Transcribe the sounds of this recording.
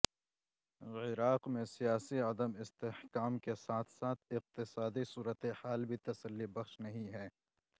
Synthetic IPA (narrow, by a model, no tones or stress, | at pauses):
ɪɾaːqmẽsijaːsiɐd̪əmɪst̪ehkaːmkesaːt̪ʰsaːt̪ʰɪq̚t̪ɪsaːd̪isuːɾət̪ehaːlbʱit̪ɐsəlːibɐxʃnɐɦĩɦɛː